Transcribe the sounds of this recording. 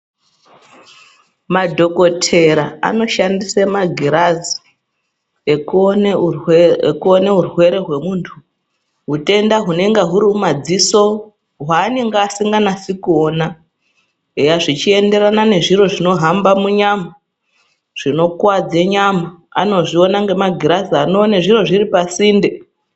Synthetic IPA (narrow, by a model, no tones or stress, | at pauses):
madʱo̞ko̞tʰe̞ɾaa̰no̞ʃandisemaɡʱiɾazi | e | kuoneɦurwe̞ɾe̞ɦwe̞muːntʰu | ɦute̞ndaɦune̞ŋɡeɦuɾiumad͡ziso̞ | ɦwaːne̞ŋɡeːsiŋɡanasikuoːna | ejaʐit͡ʃie̞nde̞ɾanane̞ʐiro̞ʐino̞ɦambamuɲama | ʐ̥ino̞kwad͡zeɲamaa̰no̞ʐio̞naŋɡe̞maɡʱiɾaziano̞ːneʐiro̞ʐiripasiːnde̞